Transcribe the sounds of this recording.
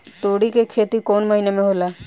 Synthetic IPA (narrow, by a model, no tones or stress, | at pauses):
t̪oːɽikekʰeːt̪ikoːnməɦinemẽɦoːla